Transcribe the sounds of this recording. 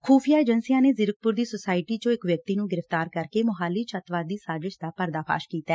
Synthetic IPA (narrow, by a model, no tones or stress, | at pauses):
kʰuːpʰijaːeːd͡ʒənsijãːneːzɪɾək̚pʊɾd̪iːsosaːɪʈiːt͡ʃõːɪkʋjək̚t̪iːnũːɡɪɾəft̪aːɾkəɾkeːmʊɦaːlːiːt͡ʃʰət̪ʋaːd̪iːsaːzɪʃd̪aːpəɾd̪aːpʰa̰ːʃkiːt̪aː